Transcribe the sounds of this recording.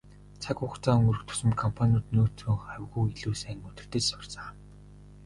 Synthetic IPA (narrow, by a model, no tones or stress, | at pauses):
t͡sʰakʊχt͡saːɵŋɵ̆rɵ̆kt̪ʰɵ̥sɵ̆mkʰɔmpʰanʲʊːt̪noːt͡s̪ʰuːχaw̆ʲɣuːiɮuːsæːŋɵt̪ɘ̆r̥t̪eːt͡ɕsʊ̥r̥t͡saː